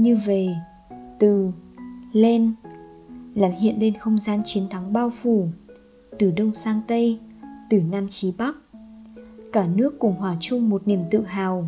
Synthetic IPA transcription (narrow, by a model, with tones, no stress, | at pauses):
ɲɨ˧ve˨˩ | t̪ɨ˨˩ | le˧n | laː˨˩nhḭ˧˨ənle˧nxə˧wŋ͡mzaː˧nt͡ɕi˨˦ənt̪ʰa˨˦ŋɓaː˧wfu˧˩ | t̪ɨ˨˩ɗə˧wŋ͡msaː˧ŋt̪ə˧jt̪ɨ˨˩naː˧mt͡ɕi˨˦ɓa˦˥k̚ | kaː˧˩nɨ˦˥əkːʊ˨˧˩ŋ͡mhwaː˨˩t͡ɕʊ˧ŋ͡mmo˨˩t̚ni˧˩əmt̪ɨ̰˧˨ɦaː˨˩w